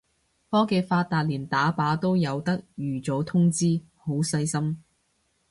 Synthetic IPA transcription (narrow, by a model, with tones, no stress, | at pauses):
fɔː˥ke˧jfaː˧tt̪ːaː˨˧t̚liː˨˩nt̪aː˨˥paː˨˥t̪o˥wjɐ˨˧wt̪ɐ˥k̚jyː˨˩t͡sɔː˨˥t̪ʰʊ˥ŋt͡siː˥ | ho˨˥wsɐ˧jsɐ˥m